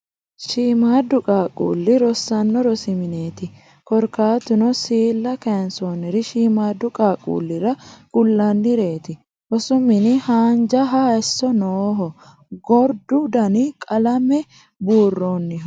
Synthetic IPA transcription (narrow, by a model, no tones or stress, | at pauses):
ʃiːmaːd̪ːʊkʼaːkʼṵːlːɪɾɔsːɐnːɔɾɔsɪmɪne̞ːt̪ɪ | kɔɾkaːt̪ʊnɔsiːlːɐkɛnsoːnɪɾɪʃiːmaːd̪ːʊkʼaːkʼṵːlːɪɾɐɡ̥ʊlːɐnːɪɾe̞ːt̪ɪ | ɾɔsʊmɪnɪhaːnd͡ʒɐɦɐɛsːɔnoːɦɔ | ɡɔɾd̪ʊd̪ɐnɪkʼɐlɐmɛ | buːrːoːnːɪ